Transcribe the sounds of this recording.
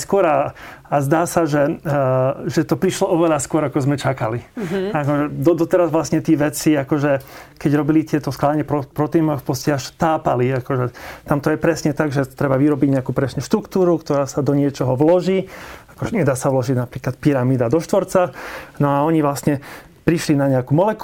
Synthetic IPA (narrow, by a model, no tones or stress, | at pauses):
skʊɔɾaazd̪aːsaʒɛ | ʒɛt̪ɔpɾiʃlɔɔʋɛʎaskʊɔɾakɔzmɛt͡ʃakaliakɔʒɛd̪ɔd̪ɔt̪ɛɾazʋlasɲɛt̪ɪɛʋɛt͡siakɔʒɛkɛɟɾɔbilit̪ɪɛt̪ɔsklaaɲɛpɾɔpɾɔt̪ɛːnɔxpɔscɛaʃt̪aːpaliakɔʒɛt̪amt̪ɔjɛpɾɛsɲɛt̪aɡʒɛt̪ɾɛbaʋiɾɔbiɟɲɛakuːpɾɛsɲɛʃt̪ɾukt̪uːɾukt̪ɔɾaːsad̪ɔɲɪɛt͡ʃɔɦɔʋlɔʒiːakɔʒɛɲɛd̪aːsaʋlɔʒiɟnapɾiːklat̪piɾamiːd̪ad̪ɔʃt̪ʋɔɾt͡sanɔaɔɲiʋlasɲɛ | pɾiʃlinaɲɛakuːmɔlɛk